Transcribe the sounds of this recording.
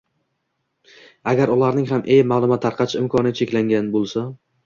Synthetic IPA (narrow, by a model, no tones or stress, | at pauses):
aɡʲaɾʊlaɾnɪŋɦamʔejmalˠʊmat̪ʰːaɾqʰɑt͡ʃʰɪmkʰɒnɪt͡ʃʰe̞kʲlaŋɡʲanbolˠsa